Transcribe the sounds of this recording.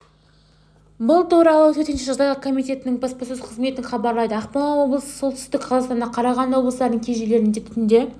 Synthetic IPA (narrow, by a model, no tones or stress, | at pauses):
bʊlˠt̪ʰuɾɑlˠət̪ʰɵɾt̪ɪnʃɪʒɑʁd̪ɑjʁɑkʰo̞mijt̪e̞t̪ɪnɪŋbɑspɑsʏzqʰəzme̞t̪ɪɴχɑbɑɾlˠɑjd̪əɑqpɑnɑwo̞blˠəsə̥so̞t̪ʏ̥st̪ɪkqʰɑzˠɑst̪ɑnɑqʰɑɾɑʁɑnwo̞bləsd̪ɑɾd̪əŋkʲʰeʒele̞ɾnɪŋd̪et̪ʰʏt̪ɪnd̪e̞